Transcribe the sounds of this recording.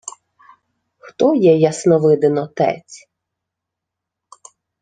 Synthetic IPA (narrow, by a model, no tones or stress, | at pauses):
xt̪ɔjɛjɐsnɔʋɪd̪ɪnɔt̪ɛ̰t͡sʲ